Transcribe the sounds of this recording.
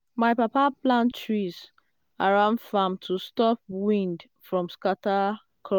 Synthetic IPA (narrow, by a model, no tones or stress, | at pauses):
maɪpapaplãntɹiz | aɹãʊ̃ndfamtʰustɔp̚wĩnd | fɹɔ̃mskata | kʰɔ